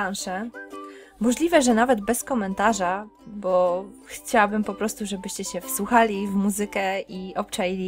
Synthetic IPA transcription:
anʂɛ | mɔʐlʲivɛʐɛnavɛd̪bɛskɔmɛnt̪aʐabɔxt͡ɕawabɘmpɔpɾɔst̪uʐɛbɘɕt͡ɕɛɕɛfswuxalʲivmuzɘkɛiɔpt͡ʂajilʲi

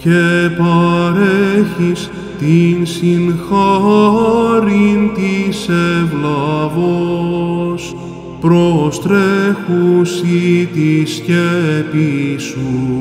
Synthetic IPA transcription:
cepɐɾeçis | t̪insinxɐ | ɾint̪isevlɐvo | s | pɾo̞st̪ɾexusit̪iscepisu

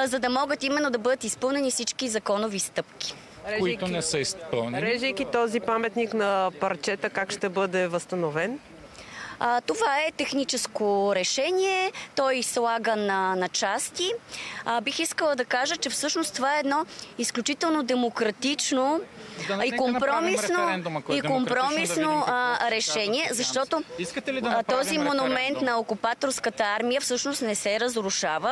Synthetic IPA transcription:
zɐd̪ɐmɔɡət̪imɛnːod̪ɐbɤd̪ət̪ispɤlˠnɛnifsit͡ʃkizɐkɔnovist̪ɤp̚kʲi̥ | ɾɛinɛsəispəlˠnɾɛʒəjkit̪ɔzipamɛt̪niknɐpɐɾt͡ʃɛt̪əkakʃt̪ɛbɤd̪ɛvəst̪ɐnovɛn | t̪ovaɛt̪ɛxnit͡ʃɛskoɾɛʃɛniɛt̪ɔjslˠaɡənɐnɐt͡ʃast̪i | bixiskəlˠəd̪ɐkaʒət͡ʃɛfsɤʃnost̪ovaɛɛːd̪nɔisklʲut͡ʃit̪ɛlˠnod̪ɛmokɾɐt̪it͡ʃno | ikompɾɔmissnoikompɾɔmisnoɾɛʃɛniɛzɐʃt̪ɔt̪oikt̪ɔzimonumɛnt̪nɐokupat̪oɾskət̪əaɾmijəfsɤʃnost̪nɛsɛɾəzɾuʃavə

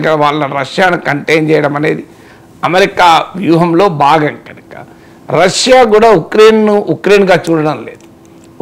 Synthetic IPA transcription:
ɡɐɐʋaːɭːɐɾɐʂjaːnukɐɳʈejnt͡ʃɛːjɐɽɐmɐne̞̰ːd̪i | ɐmeɾikaːʋjuːɦɐmlo̞ːbaːɡɐŋkɐnɐkɐ̥̰ | ɾɐʂjaːk̬uːɽaːukɾe̞ːnnuukɾe̞ːnɡaːt͡ʃuːɽɐɽɐmle̞ːd̪u

